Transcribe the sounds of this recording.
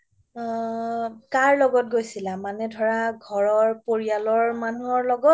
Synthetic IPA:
kaɹlɔɡɔt̚ɡojsilamanɛdʱɔɹaɡʱɔɹɔɹpoɹialɔɹmanuɔɹlɔɡɔt

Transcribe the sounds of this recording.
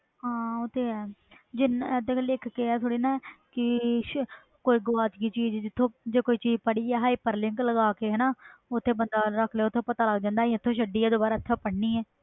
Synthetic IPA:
ɦãːʊt̪ʰːeːɛːd͡ʒɪnd̪ekːlɪkʰkeːɛːt̪ʰoːɽiːnãːkɪ | koːiːɡaːt͡ʃɡiːt͡ʃiːd͡ʒd͡ʒɪt̪ʰːõːd͡ʒeːkoːiːt͡ʃiːzpəɽiːɛːɦaːipəɾlɪ̃ŋkləɡaːkeːɦɛːnaːʊt̪ʰːeːbənd̪aːɾəkʰleːʊt̪ʰːõːpət̪aːləɡd͡ʒãːnd̪aːɛ̃ɪt̪ʰːõːʃəɖiːɛːd̪oːbaːɾaːɪt̪ʰːẽːpəɽniːɛː

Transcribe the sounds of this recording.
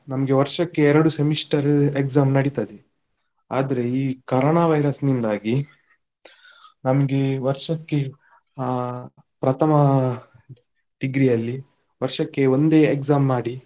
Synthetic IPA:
nɐmɐɡe̞ʋɐɾʂɐkːe̞ɛɾɐɽusemiʂʈɐɾekzaːmnɐɽit̪ad̪e | a̰ːd̪ɐɾe̞iːkɐɾoːɳaːʋɐjɾɐsnind̪aːɡi | nɐmɐɡe̞ʋɐɾʂɐkːe̞ | pɾɐt̪ʰɐmɐ | ɖiɡɾijɐlːi | ʋɐɾʂɐkːe̞o̞nd̪e̞ːekzaːmːaːɽi

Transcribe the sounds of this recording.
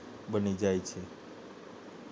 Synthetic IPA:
bənid͡ʒajt͡ʃʰe

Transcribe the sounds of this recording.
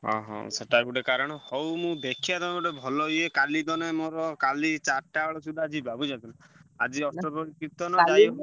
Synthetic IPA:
ɦɔ̰̃ɦɔ̰̃seʈajbuʈekaɾɔɽ̃ɔhɔwmũb̪ekʰjad̪ɔnɔɔʈebʱɔlɔɦiekalid̪ɔnemoɾɔkalit͡ʃaɾʈaɔɭɔsud̪ʱad͡ʒibabud͡ʒant̪unaa̰d͡ʒiɔsʈɔɾpɔɾikɾit̪ɔnɔd͡ʒaj

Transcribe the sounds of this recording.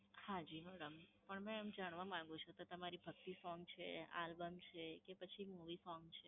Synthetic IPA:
hãd͡ʒimɛɽəmpəɳmɛ̃md͡ʒaɽ̃ʋamãŋɡũt͡ʃʰot̪ot̪əmaɾibʱək̚t̪isɔ̃ŋɡt͡ʃʰea̰lbəmt͡ʃʰekepət͡ʃʰimuʋisɔ̃ŋɡt͡ʃʰe

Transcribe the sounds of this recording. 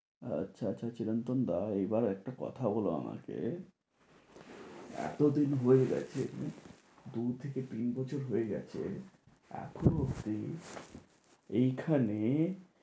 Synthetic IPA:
a̰tːɕʰaaːɕʰat͡ɕiɾant̪ond̪aebaɾɛk̚ʈakɔ̰t̪ʰabɔloa̰ma̰kḛ | ɛ̰t̪od̪inɦoeɡɛ̰t͡ɕʰḛ | d̪ut̪ʰeket̪inbɔt͡ɕʰoɾɦoeɡɛ̰t͡ɕʰḛ | ɛ̰kʰonɦokt̪i | ejkʰane

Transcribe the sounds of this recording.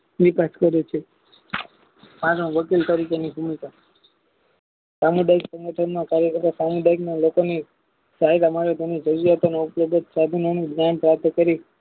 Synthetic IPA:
ʋipaskəɾet͡ʃʰe | pãɾõʋəkilt̪əɾikeniɦumika | samuɖaiksə̃ŋɡəʈʰənmãkaɾjəkət̪asamuɖaiknalokoni | saɦiɾamaɾed̪ʱonid͡ʒəɾujat̪oneupləd̪ət̪sad̪ʱənonũdjanpɾap̚t̪ʰəkəɾi

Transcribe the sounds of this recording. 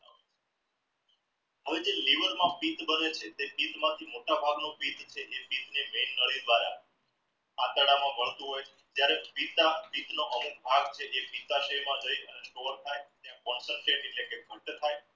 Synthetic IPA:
ɦəʋed͡ʒeliʋəɾmãpit̪bənet͡ʃʰet̪epit̪mãt̪ʰimoʈabʱaɡnopit̪t͡ʃʰeʔepit̪nemenːəɭid̪ʋaɾa̰ | at̪əɽamãbəɳt̪ũɦojt͡ʃʰe̥d͡ʒjaɾepit̪apit̪noʔəmuk̚bʱaɡt͡ʃʰeʔepit̪aʃemãd͡ʒəiənesʈoʋəɾt̪ʰajt̪jãkɔnsəɳʈɾeʈeʈlekekuʈːt̪ʰaj

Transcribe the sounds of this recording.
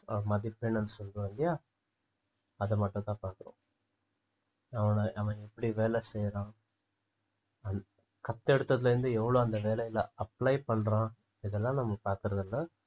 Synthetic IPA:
mɐðipːeːɳːɐnɯsɔld̪ɯʋɐnd̪ɪjaː | ɐðɐmɐʈːʊ̃t̪ãːpaːɾkɯɾõ̰ | ɐʋɐɳɐʔɐʋɐ̃ɛpːɐɽiʋeːlɛsɛjɾãː | ɐn | kɐt̪ːɛɽɯt̪ːɐðɪlɐɾɪnd̪ɯɛʋːɐɭoːɐnd̪ɐʋeːlɛjɪlɐɐpːlɐjpɐɳːɾãː | ɪðɛlːãːnɐmːɐpaːɾkɯɾɐðɛlːɐ

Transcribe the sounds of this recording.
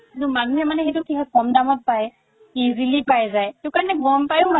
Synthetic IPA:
nʊmanuɦɛmanɛxejtʊkʰikakɔmdamɔt̚paj | izilipajzajteʊkaɹɔnɛɡɔmpajʊma

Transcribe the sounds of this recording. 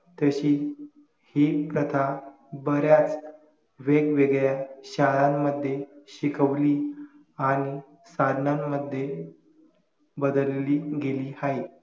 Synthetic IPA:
t̪əɕiː | hipɾət̪ʰa | bəɾjat͡s | ʋeɡʋeɡɭjaɕalamːəd̪ʱːjeɕikəʋliː | aɽ̃i | sad̪ʱnamːəd̪ʱːje | bəd̪əlliːɡeliːhaɦi

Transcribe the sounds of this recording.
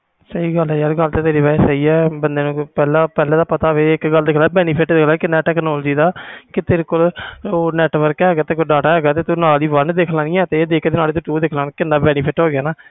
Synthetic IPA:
səiːɡəlɛːjəɾɡəlt̪eːt̪eːɾiːʋɛːsəiːɛːbənd̪eːnũːpɛːlãːpɛːlẽːd̪aːpət̪aːʋeːɪkɡəld̪ɪkʰlaːɛbɛːniːpʰɪʈd̪ɪkʰlaːkɪnɛːʈɛːknɔːld͡ʒiːd̪aːkɪt̪eːɾekoːloːnɛːʈʋəɾkɛɦɛːɡaːt̪eːkoɖaːʈaːɦɛːɡaːt̪eːt̪unaːliːʋənd̪ekʰlãːnĩːɛːt̪eːd̪eːkd̪eːnaːliːt̪uʈuːd̪ɪːkʰlaːnkɪnːaːbɛːnipʰɪʈɦoːɡɪjaːnaː

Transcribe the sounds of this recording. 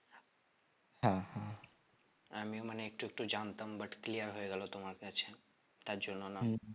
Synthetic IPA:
hãhã | əmiũməneːk̚ʈuek̚ʈud͡ʒant̪ambəʈklijəɾɦoeɡəlot̪omaɾet͡ʃʰe | t̪ad͡ʒunona

